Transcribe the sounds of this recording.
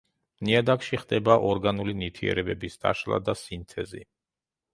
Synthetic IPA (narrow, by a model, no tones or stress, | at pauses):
niad̪akʃiχd̪ɛbaʔɔɾɡanulinit̪ʰiɛ̰ɾɛbɛbisd̪̥a̰ʃlˠa̰d̪asint̪ʰɛzḭ